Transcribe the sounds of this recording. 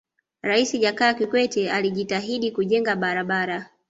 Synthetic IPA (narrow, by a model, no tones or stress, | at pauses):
ɾaisiʄakaːkikwɛtɛaliʄitaɦiɗikuʄɛŋɡaɓaɾaɓaɾa